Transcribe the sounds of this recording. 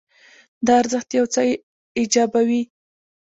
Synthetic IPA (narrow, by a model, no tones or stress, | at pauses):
d̪əaɾzəxt̪jawt͡sɑj | ɪd͡ʒɑbawi